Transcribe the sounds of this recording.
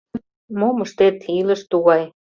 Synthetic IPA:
moməʃt̪et̪ilə̆ʃt̪uɣɑj

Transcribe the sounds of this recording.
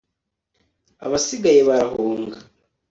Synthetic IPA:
a̰βasiɡajeβaɾahuːŋɡa

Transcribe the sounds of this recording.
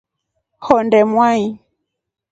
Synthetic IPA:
hɔndɛmwai

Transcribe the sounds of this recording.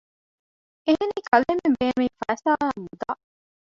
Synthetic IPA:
eɦeniːkʰɐlemembeːnmiːfæːsaːæːmud̪aː

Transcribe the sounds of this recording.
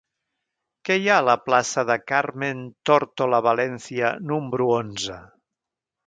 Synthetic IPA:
kɛjaələplasəðəkaɾment̪oɾt̪oləβalɛnsiənumbɾuonzə

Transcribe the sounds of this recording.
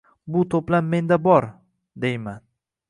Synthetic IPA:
bʊt̪ʰoplamːe̞nd̪abɒɾ | d̪e̞jman

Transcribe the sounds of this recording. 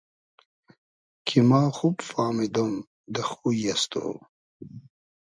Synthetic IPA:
kʰimɑːxubfɑːmid̪om | d̪əxujast̪o̰ː

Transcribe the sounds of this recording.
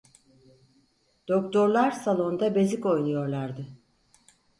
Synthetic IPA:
d̪̥okt̪ʰo̞ɾlˠaɾsalˠo̞nd̪abeziko̞jnujo̞ɾlˠaɾd̪ɯ

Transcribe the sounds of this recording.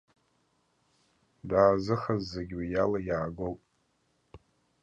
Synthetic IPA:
daːzɨχazːaɡʲwajalajaːɡowpʼ

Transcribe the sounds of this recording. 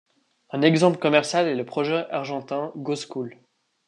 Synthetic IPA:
ɛ̃nɛɡzɑ̃pləkɔmɛʁsjalɛləpχɔʒɛʔaʁʒɑ̃t̪ɛ̃ɡoskul

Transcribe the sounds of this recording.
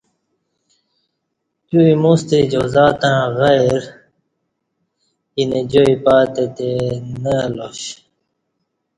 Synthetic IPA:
t̪uimust̪ed͡ʑozaːt̪ãɣajɾ | ined͡ʑoipaːt̪et̪enəaloɕ

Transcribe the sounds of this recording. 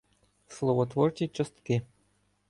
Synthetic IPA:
slˠɔʋɔt̪ʋɔrt͡ʃʲit͡ʃɤ̆st̪kɪ

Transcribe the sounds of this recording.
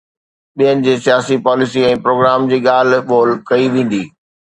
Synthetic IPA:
ɓijənɪ̆d͡ʑiːsijaːsipaːlɪsiɛ̃ːpɾoːɡɾaːmd͡ʑiːɠaːl̤ʋoːlkɐiʋẽːn̆d̪iː

